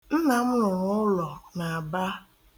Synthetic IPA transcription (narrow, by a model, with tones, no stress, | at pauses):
n̩˦na˨m̩˦lʊ˨ɾʊ˦ʊ˦lɔ˨na˨a˨ba˦